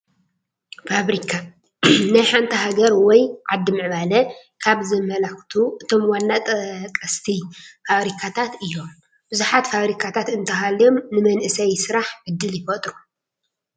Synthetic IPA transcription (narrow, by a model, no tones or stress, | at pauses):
faβɾikʰa | najħant̪ʰiɦaɡɐɾwɔjʕad̪ːɨmɨʕβalɐ | kʰaβzɨmːɐlaxt̪ʰuʔɨt̪ʰo̞mwanːat̪ʼɐkʼːɐst̪ʰifaβɾikʰat̪ʰat̪ɨjːo̞m | bɨzuħat̪faβɾikʰat̪ʰat̪ɨnt̪ʰɐhalomnɨmɐnʔɨsɐjsɨɾaħʕɨd̪ːɨljɪfɐt̪ʼɾu